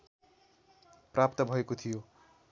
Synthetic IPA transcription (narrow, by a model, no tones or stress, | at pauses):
prap̚t̪ʌbʱʌekot̪ʰijo